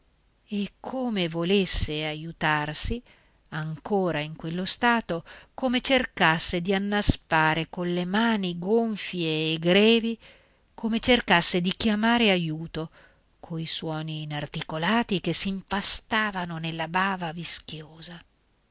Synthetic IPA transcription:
ekʰːoːmevolesːeajut̪arsi | aŋkoːɾaiŋkwelːost̪aːt̪okomet͡ʃerkasːed̪ianːaspaːɾekonlemaːniɡoɱfjeːɡɾɛːvi | komet͡ʃerkasːed̪ik̟jamaːɾeajuːt̪o | kʰoiswɔːniːnart̪ikolaːt̪ikesːiɱpast̪aːvanonelːabaːvavisk̟joːza

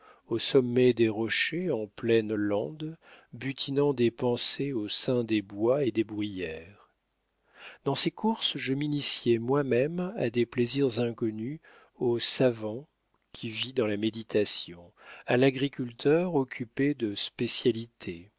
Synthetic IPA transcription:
osɔmːɛd̪eʁɔʃeɑ̃plɛnlɑ̃d̪byt̪ʰinɑ̃d̪epɑ̃seosɛ̃d̪ebwaed̪ebʁyjɛːʁ | d̪̥ɑ̃sekuʁsʒəminisjɛmwamɛma̰d̪epleziʁzɛ̃kɔny | osavɑ̃ | kʲʰivid̪ɑ̃lamed̪it̪ʰasjɔ̃ | alaɡʁikʲylt̪ʰœʁɔkʲʰyped̪əspesjalit̪ʰe

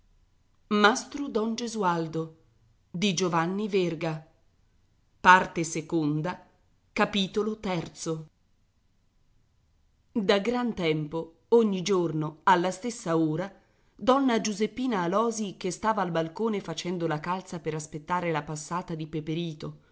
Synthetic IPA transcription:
mast̪ɾud̪ɔnd͡ʒezuald̪o | d̪id͡ʒovanːiverɡa | part̪esekond̪a | kapiːt̪olot̪ɛrt̪so | d̪aɡɾant̪ɛmpo | oɲːid͡ʒornoalːast̪esːaoːɾa | d̪ɔnːad͡ʒuzepːiːnaːlɔːzikest̪aːvaːlbalkoːnefat͡ʃɛnd̪olakalt̪sapeɾaspet̪ːaːɾelapasːaːt̪ad̪ipepeɾiːt̪o

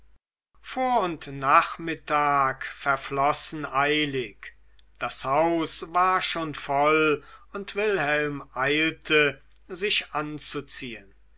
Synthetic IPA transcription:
foːɐʊntnaːχmɪtaːkfɛɐflɔsn̩ʔaɪlɪk | d̥ashaʊsvaːɐʃoːnfɔlʊntv̥ɪlhɛlmʔaɪltʰə | zɪʃʔant͡sut͡siːən

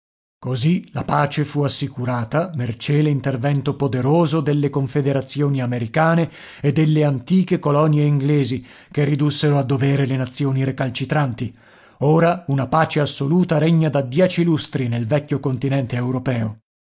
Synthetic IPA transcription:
kozilapaːt͡ʃefuasːikuɾaːt̪amert͡ʃelint̪ervɛnt̪opod̪eɾoːzod̪elːekoɱfed̪eɾat̪sːjoːniameɾikaːne | ed̪ːelːeant̪iːkekolɔnjeiŋɡleːzi | kerːid̪usːeɾoad̪ːoveːɾelenat̪sːjoːniɾekalt͡ʃit̪ɾant̪i | oːɾaunapaːt͡ʃeasːoluːt̪aɾeɲːad̪ad̪jɛːt͡ʃilust̪ɾinelvɛkʲːjokont̪inɛnt̪eːwɾopɛːo

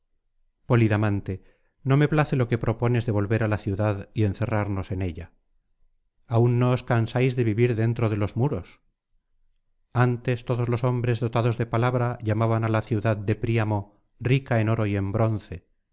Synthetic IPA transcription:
po̞liðamãnt̪e̞ | no̞me̞plaθe̞lo̞ke̞pɾʔo̞po̞ne̞zðe̞β̞o̞lβe̞ɾalaθjuðaðie̞nθe̞raɾno̞se̞ne̞ʎa | aunːo̞ːskansajzðe̞βiβiɾðe̞nt̪ɾoðe̞lo̞zmuɾo̞s | ant̪e̞st̪o̞ð̞o̞zlo̞so̞mbɾe̞zðo̞t̪aðo̞zðe̞palaβɾaʎamaβanalaθjuðaðd̪e̞pɾiamo̞ | rikae̞no̞ɾo̞ie̞mbɾo̞nθe̞

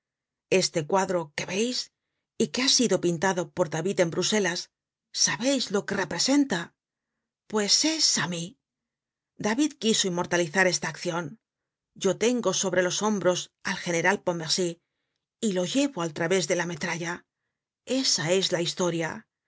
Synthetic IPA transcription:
e̞st̪e̞kwaðɾo̞ke̞βe̞js | ike̞asiðo̞pint̪aðo̞po̞ɾðaβiðe̞mbɾuse̞lasː | aβe̞jzlo̞ke̞re̞pɾe̞se̞nt̪a | pwe̞se̞sami | d̪aβiðkiso̞imːo̞ɾt̪aliθaɾe̞st̪aːkθjo̞n | d͡ʒo̞t̪e̞ŋɡo̞so̞βɾe̞lo̞so̞mbɾo̞salxe̞ne̞ɾalpo̞me̞ɾsiː | lo̞ʝe̞βo̞alt̪ɾaβe̞zðe̞lame̞t̪ɾaʎa | e̞sae̞zlaist̪o̞ɾja

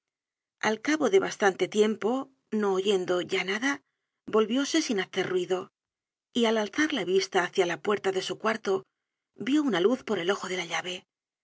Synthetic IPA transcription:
a̰lkaβo̞ðe̞βast̪ant̪e̞t̪je̞mpo̞ | no̞ːʝe̞nd̪o̞ʝanaða | bo̞lβjo̞se̞sinaθerwiðo̞ | ialalθaɾlaβist̪aːθjalapwe̞ɾt̪aðe̞sukwaɾt̪o̞ | bjo̞unaluθpoɾe̞lo̞xo̞ðe̞laʎaβe̞

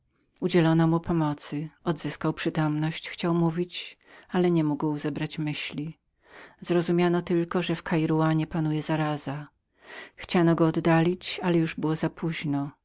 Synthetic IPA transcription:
ud͡ʑɛlɔnɔmupɔmɔt̪sɘɔd̪zɘskawpʂɘt̪ɔmnɔɕt͡ɕxt͡ɕawmuvʲit͡ɕ | alɛɲɛmuɡwzɛbɾat͡ɕmɘɕlʲi | z̥ɾɔzumʲjanɔt̪ɘlkɔʐɛfkajɾuwaɲɛpanujɛzaɾaza | xt͡ɕanɔɡɔːd̪ːalʲit͡ɕalɛjuʐbɘwɔzapuʑnɔ

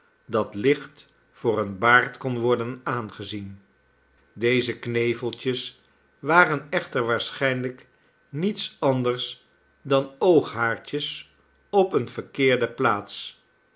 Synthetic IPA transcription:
dɑtlɪχt | fʊːrənbaːɹtkɔnʋɔɹdənaːnχəzin | dejzəknejvəlˠt͡ʃəs | ʋaːrənɛχtəɹʋaːɹsχɛjnlək | nitsɑndəɹs | dɑnowχɦaːɹt͡ʃəs | ɔpənv̥əɹkɪːɹdəplaːts

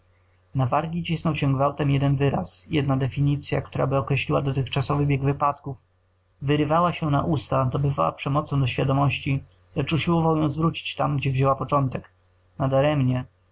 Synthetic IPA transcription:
navaɾɡʲit͡ɕisnɔwɕɛɡvawt̪ɛmjɛd̪ɛnvɘɾasjɛ̰d̪nad̪ɛfʲiɲit̪sʲja̰kt̪uɾa̰bɘɔkɾɛɕlʲiwad̪ɔt̪ɘxt͡ʂasɔvɘbʲjɛɡvɘpat̪kuf | vɘɾɘvawaɕɛnaʔust̪ad̪ɔbɘvawa̰pʂɛmɔt̪sɔ̃w̃d̪ɔɕfʲjad̪ɔmɔɕt͡ɕi | lɛt͡ʂuɕiwɔvawjɔ̃w̃zvɾut͡ɕi̥t͡ɕt̪amɡd͡ʑɛvʑewapɔt͡ʂɔnt̪ɛk | nad̪aɾɛmɲɛ

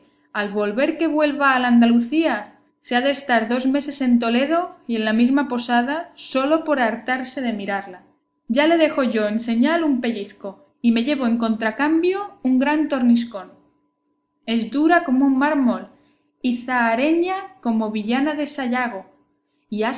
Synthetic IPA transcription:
alβo̞lβe̞ɾke̞βwe̞lβaːland̪aluθia | se̞aðe̞ːst̪aɾðo̞zme̞se̞se̞nt̪o̞le̞ð̞o̞ie̞nlamizmapo̞sað̞aso̞lo̞po̞ɾaɾt̪aɾse̞ðe̞miɾaɾla | ʝale̞ðe̞xo̞ʝo̞ense̞ɲalumpe̞ʎiθko̞ | ime̞ʝe̞βo̞e̞ŋko̞nt̪ɾakambjo̞uŋɡɾant̪o̞ɾnis̬ko̞n | e̞zd̪uɾako̞mouŋmaɾmo̞l | iθaːɾe̞ɲako̞mo̞βiʝanaðe̞saʎaɣ̞o̞ | ia

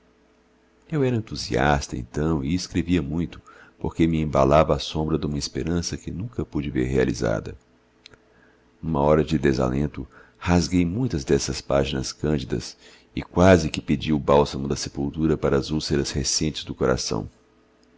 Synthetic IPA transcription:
ewɛɾɐẽnt̪uzḭa̰st̪ɐḛ̃nt̪ɐ̃w̃ɪːskɾeviɐmũj̃t̪ʊ̥poɾkemɪẽba̰lavɐːsõmbɾɐd̪ũmɐespeɾɐ̃sɐkɪnũkɐpud͡ʒɪveɾɦealḭza̰d̪ɐ̰ | ũmɐɔɾɐd͡ʒɪd̪eza̰lḛ̃nt̪ʊ | hazɡejmũj̃t̪ɐzd̪ɛsɐspaʒinɐskɐ̃nd͡ʒid̪ɐ̰s | ɪkwazɪkɪped͡ʒiʊbawsɐmʊd̪ɐsepuwt̪uɾɐpaɾɐːzuseɾɐshesẽnt͡ʃɪzd̪ʊkoɾa̰sɐ̰̃w̃

